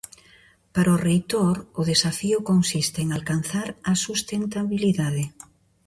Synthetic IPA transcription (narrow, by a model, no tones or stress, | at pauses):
paɾaorejt̪oɾʊðesafiʊkonsist̪eeŋalkan̟θaɾɐsust̪ent̪aβiliðaðɪ